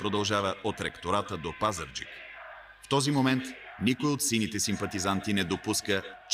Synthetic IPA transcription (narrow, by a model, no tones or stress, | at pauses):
pɾod̪ɐlˠʒavəot̪ɾɛkt̪oɾat̪əd̪opazəɾd͡ʒḭk | ft̪ɔzimomɛnt̪ | nikojot̪sinit̪ɛsimpɐt̪izant̪inɛd̪opuskət͡ʃ